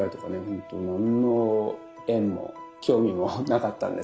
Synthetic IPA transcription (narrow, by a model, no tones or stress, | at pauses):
ait̪oka̰nehõnt̪onãnːo | ẽ̞mːo̞̰ | kʲo̞ːmʲimonakat̪ːã̰nd̪e